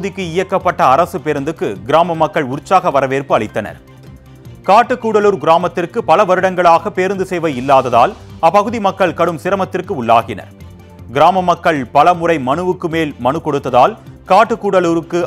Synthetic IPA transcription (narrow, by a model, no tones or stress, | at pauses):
ðɪkːɯɪjɐkːɐpːɐʈːɐːɾɐsɯpɛɾɯnd̪ɯkːɯɡɪɾaːmɐmɐkːɐɭʊɾt͡ʃːaːɣɐʋɐɾɐʋeːrpɯɐɭɪt̪ːɐnɐ̰ɾ | kaːʈːɯkːuːɽɐluːɾɡɪɾaːmɐt̪ːɪrkɯpɐlɐʋɐɾɯɽɐŋɡɐɭaːɣɐpːeːɾɯnd̪ɯsɛjʋɐjɪlːaːðɐða̰ːlɐpɐɣɯðimɐkːɐɭkɐɽɯmsɪɾɐmɐt̪ːɪrkɯʊɭːa̰ːɣɪnɐ̰ɾ | ɡɪɾaːmɐmɐkːɐɭpɐlɐmʊrɐɪmɐnɯʋɯkːɯmeːlmɐnɯkːɔɽɯt̪ːɐðaːlkaːʈːɯkːuːɽɐluːɾɯkːɯ